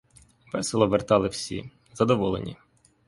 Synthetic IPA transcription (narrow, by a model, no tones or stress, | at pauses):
ʋɛselˠɔʋert̪ɑlˠɪwsʲḭ | z̥ɐd̪ɔʋɔlˠḛnʲḭ